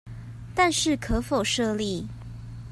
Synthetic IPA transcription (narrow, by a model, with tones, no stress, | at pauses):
t̪a˥˧nʂɻ̩˥˨kʰɤ˧˦fo˨˩ʊʂɤ˥˧li˥˨